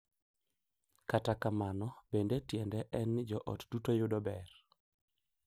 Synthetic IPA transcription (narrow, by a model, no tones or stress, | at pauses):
katakamanɔbendetjɛndɛʔɛnd͡ʒɔʔɔ̰td̥utojʊdɔbɛr